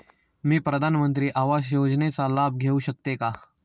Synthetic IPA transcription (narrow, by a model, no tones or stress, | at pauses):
mẽpɾəd̪ʱaːnmə̃nt̪̬ɾiʔaːʋaːʃjoːd͡ʒnesalaːb̚ʱɡʱeːuʃək̚t̪ekaː